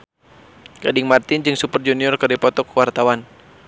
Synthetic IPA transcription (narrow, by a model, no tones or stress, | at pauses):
ɡ̥adɪŋmart̪ɪnd͡ʒɨŋsupərd͡ʒuniɔrkərdipɔt̪ɔkwart̪awan